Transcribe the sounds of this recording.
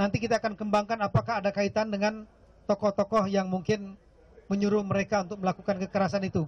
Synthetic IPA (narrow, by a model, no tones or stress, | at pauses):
nant̪ikit̪aːkankəmbaŋkanapakahːdakait̪andəŋan | t̪ɔkɔht̪ɔkɔhjaŋmuŋkɪn | məɲuɾʊhməɾekaunt̪ʊk̚məlakukankəkəɾasanit̪u